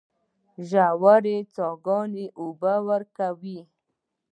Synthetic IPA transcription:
ʒawaɾet͡sɑɡɑneʔubawəɾkawi

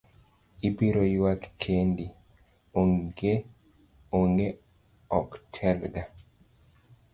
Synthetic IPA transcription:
ibiɾoiwakkʰendi | oŋɡe | oŋɡe | ɔktʰɛlɡa

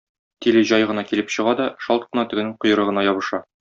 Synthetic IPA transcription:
t̪ilɘʑɒjʁɤ̆nɑkilɘpɕɤ̆ʁɑd̪ɒʃɒlt̪̚qɤ̆nɑt̪ɘ̆ɡɘ̆nɘɴqŏjɤ̆ɾɤ̆ʁɤ̆nɑjɒbɤ̆ʃɑ

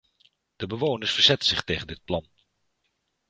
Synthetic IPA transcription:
d̥əbəʋownəɹsfəɹzɛtən̩z̥ɪχtejχəndɪt̚plɑn

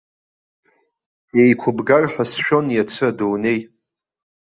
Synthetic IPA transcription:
e̞jkʷʰʊbɡarħʷᶣasʃᶣo̞njat͡sʰɨadowne̞j

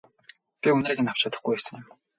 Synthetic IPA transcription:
pʲiɵn̆ɾeːkĕnaw̥t͡ɕaːt̪ə̆χɡujæsə̆ŋʊ̆m

